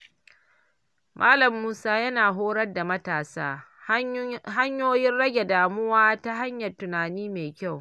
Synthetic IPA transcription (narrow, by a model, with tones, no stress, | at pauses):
mʔaː˦lɐ˨mːuː˦saː˦jɐ˦naː˨ɦoː˦ɽɐ˦rda˨mɐ˦taː˨sa̰ː˦ | ɦa˦ɲjoː˦jɪ˦nɽɐ˦ɡʲe˨daː˨mʊ˦waː˦ta˦ɦa˦ɲjɐ˨rtʊ˨naː˨niː˦meː˨kʲa˦˨w